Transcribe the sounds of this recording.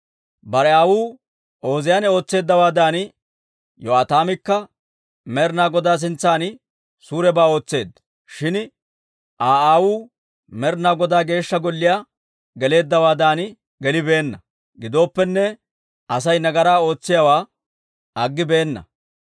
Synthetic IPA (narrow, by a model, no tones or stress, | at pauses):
bɐɾɛaːwuː | o̞ːzɪjaːnɛo̞ːt͡sːe̞ːd̪ːɐwaːd̪aːn | jɔaːt̪aːmɪkːɐ | mɛɾnaːɡɔd̪aːs̬ɪnt͡sːaːnɪ | suːɾɛbaːo̞ːt͡sːe̞ːd̪ | ʃɪn | ʔaːaːwuː | mɛɾnaːɡɔd̪aːɡe̞ːʃːɐɡɔlːɪjaː | ɡɛle̞ːd̪ːɐwaːd̪aːn | ɡɛlɪbe̞ːnːɐ | ɡɪd̪o̞ːpːɛnːɛ | ʔɐsɐjnɐɡɐɾaːo̞ːt͡sːɪjawaː | ʔɐɡːɪbe̞ːnːɐ̰